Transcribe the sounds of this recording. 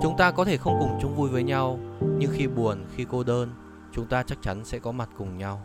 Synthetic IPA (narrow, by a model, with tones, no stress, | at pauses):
t͡ɕʊ˨˦ŋ͡mt̪aː˧kɔ˨˦t̪ʰe˧˩xə˧wŋ͡mkʊ˨˩ŋ͡mt͡ɕʊ˨˦ŋ͡mvu˧jvəː˨˦jɲa˧wɲɨ˧ŋxi˧ɓu˨˩ənxi˧ko˧ɗəː˧n | t͡ɕʊ˨˦ŋ͡mt̪aː˧t͡ɕa˦˥k̚t͡ɕa˨˦nsɛ̰˧˥kɔ˨˦ma˨˩t̚kʊ˨˩ŋ͡mɲa˧w